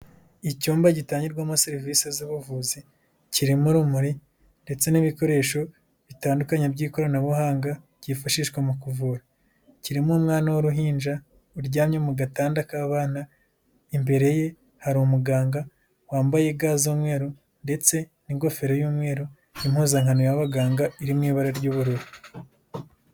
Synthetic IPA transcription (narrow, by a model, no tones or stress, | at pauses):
icuːmbaɟitaːɲiɾɡwamaseɾiviːseziβuvuːzi | ciɾimuɾumuɾi | nde̞t͡se̞niβiko̞ɾe̞ːʃo̞ | βitaːndukaɲebɟiːko̞ɾanaβuhaːŋɡa | ɟ̥ifaʃiʃwemukuvuːɾa | ciɾimumŋaːnawoɾuɦiːnd͡ʒa | uɾɟaːmɲemuɡataːndakaːβaːna | imbe̞ɾe̞je̞ | haɾmuɡaːŋɡa | waːmbaje̞ɡaːzuːmŋe̞ːɾo | nde̞t͡se̞ | niŋɡo̞fe̞ɾo̞juːmŋe̞ːɾo | imhuːzaŋanojaβaɡaːŋɡaiɾimŋiːβaɾaɾɟuːβuɾuɾu